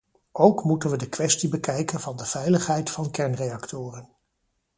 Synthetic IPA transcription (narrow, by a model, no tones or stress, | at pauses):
owkmutənʋədəkʋɛstibəkɛjkənvɑndəv̥ɛjləχɦɛjtfɑnkɛɹnrejɑktʊːrən